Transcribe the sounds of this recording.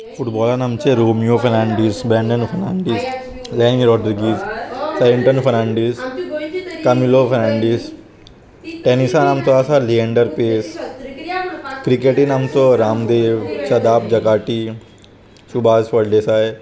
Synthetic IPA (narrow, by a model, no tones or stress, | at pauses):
fʰʊʈbɔːlanamt͡ʃeɾoːmijopʰɐɾnãːɳɖiːsbɛːɳɖənpʰɐɾnaːɳɖiːs | lɛːniɾɔːɖɾɡiːssajeɳʈənfʰɐɾnaːɳɖiːs | kɐmiloːpʰɐnãːɳɖiːs | ʈeːnisanaːmt̪oaːsalieɳɖəɾpeːs | kɾikeːʈinaːmt̪oɾaːmd̪eːʋt͡ʃɐd̪aːbd͡ʒɐkaːʈi | ʃubʱaːzpɐɽɖeːsaːe